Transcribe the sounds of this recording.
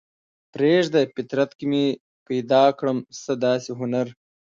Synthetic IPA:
pɾeʒd̪əpit̪ɾat̪kime | pajd̪ɑːkɽəmsəd̪ɑːsiɦʊnaɾ

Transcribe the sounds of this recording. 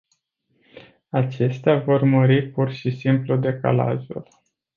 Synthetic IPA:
at͡ʃe̞st̪eavo̞rməɾipurʃisimplud̪e̞ka̰la̰ʒṵl

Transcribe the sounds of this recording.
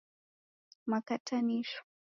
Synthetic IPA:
makatʰʼanɪʃʊ̥

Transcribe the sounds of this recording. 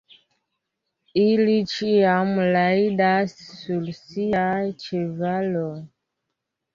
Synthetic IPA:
ilit͡ʃijamulaidasulsijat͡ʃɛvalɔ

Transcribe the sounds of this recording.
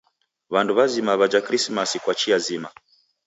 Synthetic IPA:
βanduβazimaβad͡ʒakɾismasikwat͡ʃiazima

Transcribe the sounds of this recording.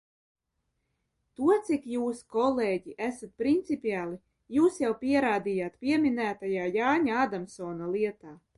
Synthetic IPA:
t̪uɔt̪sikjuːskɔlˠeːɟiʔæsat̪̚pɾint̪sipʲiaːlˠi | juːsjawpʲiɛɾaːd̪ijaːt̪pʲiɛmʲinæːt̪ajaːjaːɲaad̪amsɔːnalˠiɛt̪aː

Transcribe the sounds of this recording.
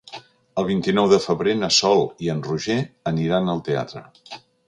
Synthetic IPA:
əlˠβ̞int̪inɔwðəfəβɾenəsɔlˠiənruʒeəniɾanəlˠt̪ea̰t̪ɾə̰

